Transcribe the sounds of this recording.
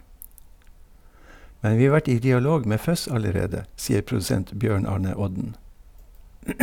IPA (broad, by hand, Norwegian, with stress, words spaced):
ˈmɛn ˈʋiː ˈɑː ˈʋæʈ ˈiː dɪɑˈloːɡ ˈmeː ˈfœs ɑləˈɾeːdə ˈsiːəɾ pɾʊdʉˈsɛnt ˈbjøːɳ ˈɑːɳə ˈɔɟn̩